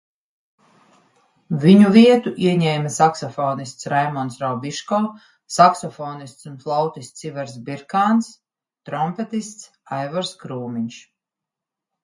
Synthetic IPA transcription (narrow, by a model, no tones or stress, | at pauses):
viɲuviɛt̪uʔiɛɲɛjmasaksɔfɔːnist̪sɾajmɔnsɾawbiʃkɔː | saksɔfɔːnist̪sunflˠawt̪ist̪sivɛɾsbiɾkaːns | t̪ɾɔmpɛt̪ist̪s | ajvaɾskɾuːmiɲʃ